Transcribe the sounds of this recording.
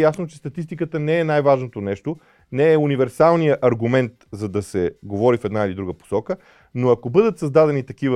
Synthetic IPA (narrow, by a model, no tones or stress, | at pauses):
jasnot͡ʃɛ̥st̪ɐt̪ist̪ikət̪ənɛɛnajvaʒnot̪onɛʃt̪o | nɛɛunivɛɾsalˠnijəʔɐɾɡumɛnt̪zɐd̪ɐsɛɡovɔɾifɛd̪nailid̪ɾuɡəpo̥sɔkə | noɐkobɤd̪ət̪sɐzd̪ad̪ɛnit̪ɐkivə